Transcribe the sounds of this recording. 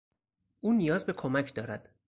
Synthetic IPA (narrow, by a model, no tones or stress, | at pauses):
ʔuːnijɒːzbe̞kʰomæcʰd̪ɒːɾæd̪̥